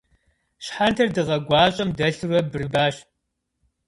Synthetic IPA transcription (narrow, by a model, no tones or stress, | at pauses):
ɕħantʰɐrdɨʁɐɡʷɑːɕʼɐmdɐɬɨrɐbɨrɨbaːɕ